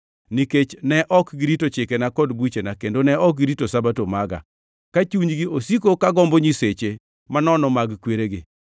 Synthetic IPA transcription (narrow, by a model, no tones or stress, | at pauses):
niket͡ʃnɛʔɔkɡiɾitot͡ʃɪkenakɔdbwut͡ʃenakendonɛɔk̚ɡiɾitosabatomaɡa̰ | kat͡ʃuɲɡiosikokaɡɔmbɔɲiset͡ʃe | manɔnɔmaɡkweɾeɡɪ